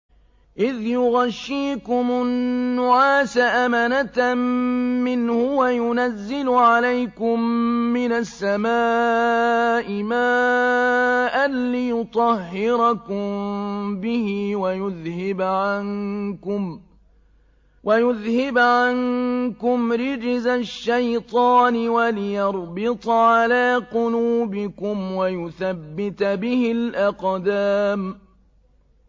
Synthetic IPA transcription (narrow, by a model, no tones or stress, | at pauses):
ʔɪðjʊɣaʃːiːkʊmʊnːʊʕaːsaʔamanat̪mːɪnhʊwajʊnazːɪlʊʕalajkʊmːɪnasːamaː | ʔɪmaː | ʔanlɪjʊt̪ˤɑɦhːɪɾakʊmmbɪhɪwajʊðhɪbʕankʊm | wʔajʊðhɪbʕankʊmɾɪd͡ʒzaʃːajt̪ˤɑːnɪwalɪjɑɾˤbɪt̪ˤʕalaːqʊluːbɪkʊmwajʊθabːɪt̪bɪhɪlʔaqd̪aːm